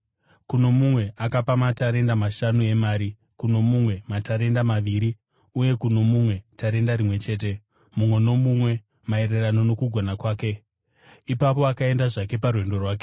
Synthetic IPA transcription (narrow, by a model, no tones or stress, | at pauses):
kuno̞mumwe̞ʔakapamataɾe̞ndamaʃanue̞maːɾi | kuno̞mumwe̞mataɾe̞ndamaʋiɾi | uje̞kuno̞mumwe̞taɾe̞ndaɾimwe̞t͡ʃe̞ːt̬e̞ | mumwe̞no̞mumwe̞ | mae̞ɾe̞rano̞no̞kuɡʱonakwaːke̞ | ipap̬o̞akae̞ndaʐake̞parwe̞ndo̞rwaːk̬e